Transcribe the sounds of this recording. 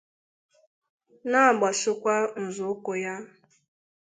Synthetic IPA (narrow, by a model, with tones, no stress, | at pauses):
na˦a˨ɡ͡ba˨sʊ˦kʷa˦n̩˨zʊ˨˦kʊ˨ja˦